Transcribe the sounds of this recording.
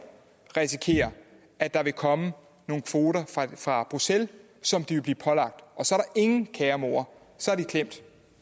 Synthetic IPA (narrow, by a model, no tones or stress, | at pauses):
ʁisikʰe̝̰ːɐ | æd̥ɑ̈ʋe̝kʰɒ̽mə | no̝ːn̩kʰʋo̝ːɾɐfʁɑ̈b̥ʁusel | sɒ̽md̥iʋe̝b̥lḭːpʰɒ̽lɑ̈ɡ̥̚d̥ʔɒ̽sɒ̽ɐɾɑ̈ʔe̝ŋn̩kʰɛːɐmo̝̰ɐ | sɒ̽æɐd̥ikʰlem̰d̥